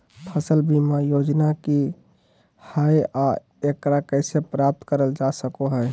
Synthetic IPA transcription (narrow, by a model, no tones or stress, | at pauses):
pʰəsəlbimajod͡ʒnaki | hajʔa | ekɾakəɪsepɾap̚t̪kəɾəld͡ʒasəkoɦɛ